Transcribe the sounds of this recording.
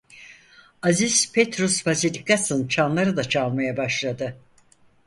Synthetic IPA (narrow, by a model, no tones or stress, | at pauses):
azispʰet̪ɾusbazilʲikasɯnt͡ʃʰanlˠaɾɯd̪at͡ʃʰalˠmajabaʃlˠad̪ɯ